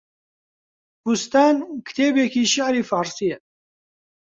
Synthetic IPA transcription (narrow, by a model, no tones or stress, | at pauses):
hust̪aːnkʰt̪ʰeːbekiːʃaʕɾiːfaːɾsijɛ